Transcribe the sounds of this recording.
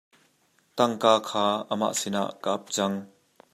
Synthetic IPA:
t̪ɐŋkaːkʰaːəma̰ːʔsɪna̰ʔkaʔɐp̚t͡sɐŋ

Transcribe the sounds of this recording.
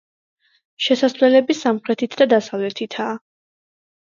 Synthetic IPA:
ʃɛsasvlɛlɛbisamχɾɛt̪ʰit̪ʰd̪ad̪asavlɛt̪ʰit̪ʰaː

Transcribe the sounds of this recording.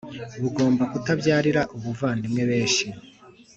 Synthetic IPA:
βuɡo̞ːmbakutabjaːɾiɾaʔuβuvaːndimŋe̞βe̞ːʃi

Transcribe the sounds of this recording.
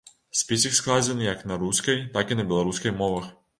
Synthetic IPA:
spisiksklaːzɛniːaknaɾuskɛjt̪akɛnabjɛlɔɾuskɛjmɔʋax

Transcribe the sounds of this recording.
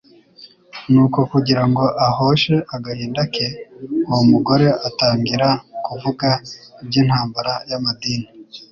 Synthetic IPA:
nuːko̞kuɟiɾaŋɡo̞ʔaho̞ːʃe̞ʔaɡahiːndakeowomuɡo̞ɾe̞ʔataːŋɡiɾakuvuɡaibɟiːn̥haːmbaɾajamadiːni

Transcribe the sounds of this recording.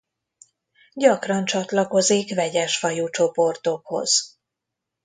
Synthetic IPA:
ɟɒkrɒnt͡ʃɒt̪lɒko̞zikʋɛɟɛʃfɒjuːt͡ʃo̞po̞rt̪o̞kho̞̰z̥

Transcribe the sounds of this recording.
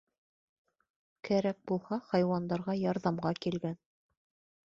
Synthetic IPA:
kæɾæk̚bulˠhɑχɑjwɑnd̪ɑɾʁɑjɑɾðɑmʁɑkilɡæn

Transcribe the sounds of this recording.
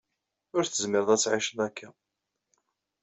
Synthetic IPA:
ʊɾθəzmɪɾðˤæt͡sːʕiʃənækʰːæ

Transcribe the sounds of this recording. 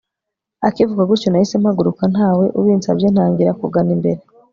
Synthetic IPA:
akivuɡaɡuɾconahise̞mhaɡuɾukan̥aːwe̞ʔuβiːnt͡sabjen̥haːŋɡiɾakuɡanimbe̞ɾe

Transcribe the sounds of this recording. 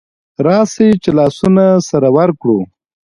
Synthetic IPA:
ɾɑset͡ʃelɑːsunasaɾawaɾkɽu

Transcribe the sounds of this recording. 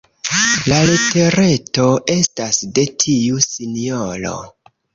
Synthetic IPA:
lalete̞ɾe̞to̞ʔe̞stasde̞tʰiusiniolo̞̰

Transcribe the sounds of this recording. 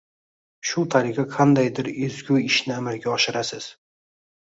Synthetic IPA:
ʃʊt̪ʰaɾɪχaqʰɑnd̪ajd̪ɪɾezɡʲʊɪʃnɪamaɾɡʲaɒʃɪɾasɪz̥

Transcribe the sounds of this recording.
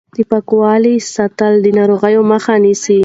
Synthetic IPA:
d̪̥əpakwɑlisat̪ald̪ənɑɾoɣajoməxanisi

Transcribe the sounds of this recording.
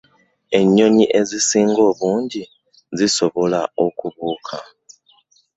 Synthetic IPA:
eɲːoɲiʔezisiŋɡoβuːɲɟi | zisoβolaokuβuːkʰa

